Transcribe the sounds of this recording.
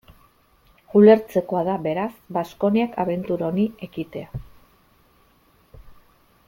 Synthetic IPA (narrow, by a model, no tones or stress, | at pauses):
ule̞ɾt͡se̞ko̞aðaβe̞ɾasbasko̞niakʰaβe̞nt̪uɾaonie̞kit̪e̞a